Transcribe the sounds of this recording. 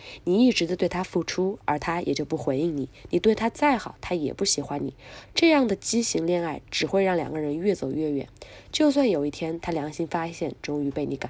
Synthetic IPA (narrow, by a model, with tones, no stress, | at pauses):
ni˨˩i˥˩ʈ͡ʂɻ̩˧˥d̪ə˧t̪we˥˩ɪt̪ʰa˥fu˥˩ʈ͡ʂʰu˥ə̰˞˧˥t̪ʰa˥jʔɛ̰˨˩t͡ɕjo˥˧ʊpu˥˩xwe˧˥ɪi˥˩ŋni˨˩˦ni˨˩t̪we˥˩ɪt̪ʰa˥t͡sa˥˩ɪxɑ˨˩˦ʊt̪ʰa˥jɛ̰˨˩pu˥˩ɕi˧˩xwa˧˥nnḭ˨˩˦ʈ͡ʂɤ˥˧jɑ˥˩ŋd̪ə˩t͡ɕi˥ɕi˧˥ŋljɛ˥˧na˥˩ɪʈ͡ʂɻ̩˨˩xwe˥˧ɪɻɑ˥˩ŋljɑ̰˨˩ŋɡə˦˧ɻə˧˥nɥɛ˥˩t͡so˨˩ʊɥɛ˥˩ɥɛ̰˨˩˦nt͡ɕjo˥˧ʊswa˥˩njo˨˩ʊi˥˩t̪ʰjɛ˥nt̪ʰa˥ljɑ˧˥ŋɕi˥ŋfa˥ɕjɛ˥˩nʈ͡ʂʊ˥ŋy˧˥pe˥˩ɪni˧˥ka˨˩˦